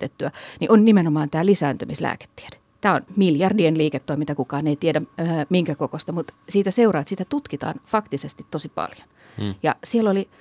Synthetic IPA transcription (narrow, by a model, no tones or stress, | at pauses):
t̪et̪ːyæniʔonnimenomɑːnt̪æːlisæːnt̪ømislæ̰ːke̥t̪ːi̥ed̥e̥ | t̪æːo̰nmiljɑrdienliːket̪ːoimint̪ɑkukɑːneit̪iedæmiŋkækokost̪ɑmut̪siːt̪æseurɑːt̪sit̪æt̪ut̪kit̪ɑ̰ːnfɑkt̪isest̪it̪t̪osipɑ̰ljon | jɑ̰sieloli